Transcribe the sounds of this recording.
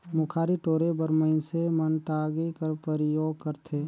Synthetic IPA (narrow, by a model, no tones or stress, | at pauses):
mʊkʰaːɾiʈoːɾebəɾməɪnsemənʈaːɡekəɾpəɾɪjoːɡ̚kəɾt̪ʰeː